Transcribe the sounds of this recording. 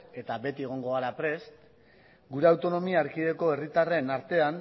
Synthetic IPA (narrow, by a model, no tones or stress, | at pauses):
e̞t̪abe̞t̪ieɣ̞o̞ŋɡo̞aɾapɾe̞st̪ | ɡuɾe̞awt̪o̞no̞miaːɾkiðe̞ko̞e̞rit̪are̞naɾt̪e̞an